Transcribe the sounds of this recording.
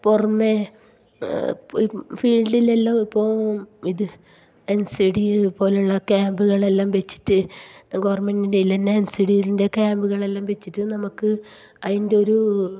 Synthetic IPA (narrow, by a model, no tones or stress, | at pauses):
purɐmːe | pifiːlɖile̞lːaːmipːo̞ːiðɨ | ensiɽipo̞ːleuɭːɐkaːmbuɣɐɭe̞lːaːmʋe̞t͡ɕːi̥ʈːɨɡoʋɐrme̞ndindeilːenːeːnsiɽijilinde̞kaːmbuɣɐɭe̞lːaːmʋe̞t͡ɕːiʈːɨnɐmukːɨ | ɐðinde̞o̞ɾu